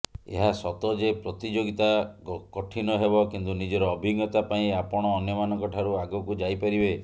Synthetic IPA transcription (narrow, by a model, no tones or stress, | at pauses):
ḛɦasɔt̪ɔd͡ʒepɾɔt̪id͡ʒoɡit̪akɔʈʰinɔɦebɔkint̪unid͡ʒɔɾɔːbʱiɡɔt̪apaĩapɔɽ̃ɔːnjɔmanɔŋkɔʈʰaɾuaɡɔkud͡ʒajpaɾibe